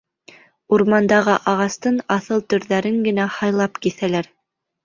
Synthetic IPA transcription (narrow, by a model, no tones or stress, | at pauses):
uɾmɑnd̪ɑʁɤʔɑʁɑst̪ɤnɑθɤlˠt̪ɵ̆ɾðæɾɘŋɡɘ̆næhɑjlˠɑpkiθælæɾ